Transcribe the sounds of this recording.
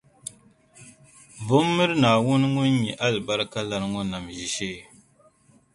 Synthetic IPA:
vʊ˦mːɨ˦ɾɨ˦naː˨wʊ˦n˦ŋʊ˦n˦ɲɛ˨ʔa˦lba˦ɾɨ˦ka˦la˨ɾŋɔ˦na˨mʒi˨ʃeː˦

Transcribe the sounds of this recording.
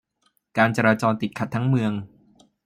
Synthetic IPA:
kaː˧nt͡ɕaː˧ɾaː˧t͡ɕɔː˧nt̪i˨˩t̪̚kʰa˨˩t̪ʰːŋmɯ˧əŋ

